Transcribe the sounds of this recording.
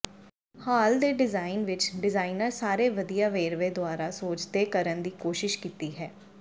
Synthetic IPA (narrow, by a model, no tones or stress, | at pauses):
haːld̪eːɖɪzaːɪnʋɪt͡ʃɖɪzaːinəɾsaːɾeːʋəd̪ijaːʋeːɾʋeːd̪ʊaːɾaːsoːd͡ʒd̪eːkəɾənd̪iːkoːʃɪʃkiːt̪iːɦɛː